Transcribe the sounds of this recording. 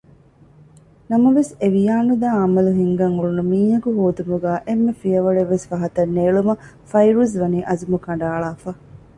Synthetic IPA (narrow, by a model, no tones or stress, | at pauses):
nɐmɐʋeseʋijaːnud̪aːɐmɐluɦiŋɡɐŋuɭunumiːɦɐɡuɦoːd̪umuɡæːʔemːefijɐʋɐɭeʋːesʋɐɦɐt̪ɐnːeːɭumɐ | fɐjɾuzʋɐniːʔɐzumukɐɳɖaːɭaːfɐ